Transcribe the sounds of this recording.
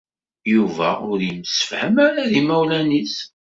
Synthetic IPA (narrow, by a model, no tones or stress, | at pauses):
juvæ̰ʊɾjəmsə̥fhəmaɾaðimæwlænis